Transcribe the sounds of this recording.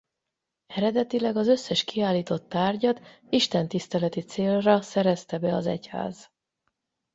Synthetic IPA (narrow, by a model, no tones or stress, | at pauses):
ɛɾɛd̪ɛt̪ilɛɡɒzø̞sːɛʃkiaːlːiːt̪o̞t̪ːaːrɟɒt̪ | iʃt̪ɛnt̪ist̪ɛlɛt̪it̪seːlrɒsɛɾɛst̪ɛbɛɒzɛ̰cha̰ːz